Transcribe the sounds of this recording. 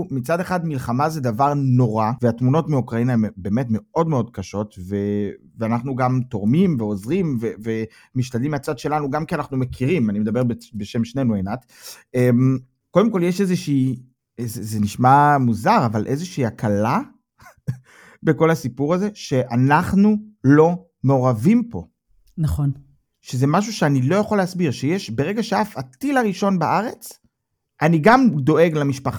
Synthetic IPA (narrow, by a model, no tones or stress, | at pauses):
mit͡sad̪eχad̪milχamazedavaʁno̞ʁaveatmuno̞tmeukʁainaembeːmetme̞o̞dme̞o̞dkaʃo̞tve | veanaχnuɡamt̪o̞ʁmimveozʁimveve | miʃtadlimiat͡sad̪ʃe̞lanuɡamkianaχnumekʰiʁimanimed̪abe̞ʁbebeʃe̞mʃnenuenat̪ | em | kod̪emko̞ljeʃezeʃiː | ezezeniʃmamuzaʁavalʔe̞zeʃiːakʰala | be̞ko̞lhasipuʁaze̞ʃe̞ʔanaχnulo̞ | meoʁavimpo̞̰ | naχon | ʃeze̞maʃ̬uʃeanilo̞jaχoleasbiʁʃejeʃbe̞ʁe̞ɡaʃeafat̪ilaʁiʃo̞nbaʔaʁe̞t͡s | ʔaniɡamd̪o̞ʔe̞ɡlamiʃpaχa